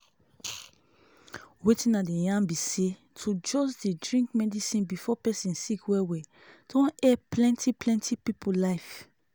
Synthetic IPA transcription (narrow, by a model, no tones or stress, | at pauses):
wetĩnadejãmbise | tʰud͡ʒɔs̬dedɹĩŋkmɛdisĩnbifɔpɛsĩnsikwɛwɛ | d̥ɔ̃nɛplɛ̃ntʰiplɛ̃ntʰipipulaɪf